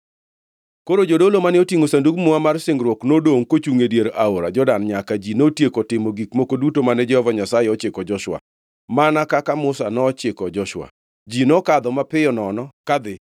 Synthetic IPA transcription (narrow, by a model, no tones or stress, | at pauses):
koɾod͡ʒodolomanɛotiŋosanduɡmʊamarsɪŋɡɾwɔknodoŋkot͡ʃuŋedjeɾaoɾad͡ʒɔdanɲakad͡ʒinotjekɔtɪmoɡikmokodutomanɛd͡ʒɛhɔvaɲasajɛɔt͡ʃɪkɔd͡ʒɔʃwa̰ | manakakamʊsanɔːt͡ʃɪkɔd͡ʒɔʃwa̰ | d͡ʒinɔkad̪ɔmapɪjɔnɔnɔkad̪ɪ